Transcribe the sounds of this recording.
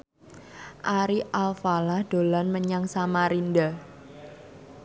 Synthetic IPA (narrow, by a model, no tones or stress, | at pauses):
ʔaɾiʔalfalahd̥olanməɲaŋsamaɾinda